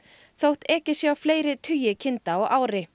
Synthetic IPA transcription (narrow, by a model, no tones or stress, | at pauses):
θowht̪ɛːcɪsjaawfleːjɾɪt̪ʰʏːjɪcʰɪnt̪aɔɣaːwɾɪ